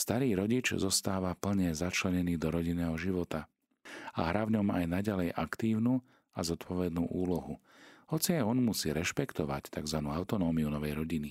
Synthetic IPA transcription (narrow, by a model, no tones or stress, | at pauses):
st̪aɾiːɾɔɟit͡ʃzɔst̪aːʋapl̩ɲɛzat͡ʃlɛɲɛniːd̪ɔɾɔɟinɛːɦɔʒiʋɔt̪a | a̰ɦɾaːvɲɔma̰jnaɟalɛjʔakt̪iːʊnuː | azɔt̪pɔʋɛd̪nuːʔuːlɔɦu | hɔt͡siajɔnmusiːɾɛʃpɛkt̪ɔʋa̰ct̪aɡzʋanuːaʊt̪ɔnɔːmiunɔʋɛjɾɔɟini